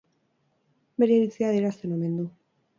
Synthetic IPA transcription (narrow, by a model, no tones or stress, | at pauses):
meɾjaɾiθiaðeɾast̪enomẽnd̪u